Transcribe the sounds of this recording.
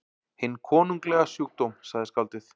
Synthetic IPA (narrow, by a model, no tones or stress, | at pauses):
hɪnːkʰɔːnuŋklɛɣasjuk̚t̪owmsaɣðɪskalt̪ɪθ